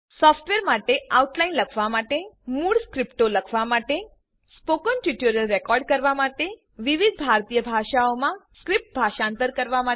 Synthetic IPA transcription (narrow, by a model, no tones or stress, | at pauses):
sɔfʈʋeɾmaʈeauʈlainləkʰʋamaʈemuːɽskɾipʈoləkʰʋamaʈe | spokənʈiʈjuɾjəlɾekɔɾɖkəɾʋamaʈe | ʋiʋid̪̚ʱbʱaɾt̪ijəbʱaʃaomãskɾip̚ʈ̚bʱaʃãnt̪əɾkəɾʋama